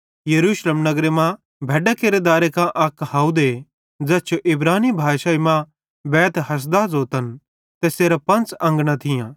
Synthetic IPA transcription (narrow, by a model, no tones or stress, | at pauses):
jɐɾuːʃleːmnɐɡɾemã | bʱɛːɖakeɾed̪aːɾekãʔɐkhaːud̪e | d͡zɛːt͡ʃʰoʔɪbɾaːnibʱaːʃaimã | bɛːt̪ɦɐs̬d̪aːzoːt̪ən | t̪eseːɾapɐ̃nt͡sɐ̃ŋɡɽ̃ãt̪ʰɪjãː